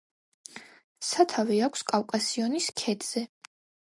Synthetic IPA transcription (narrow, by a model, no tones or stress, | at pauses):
sat̪ʰaviakʷʰskʼawkʼasiɔniskʰɛd̪ʼz̥ɛ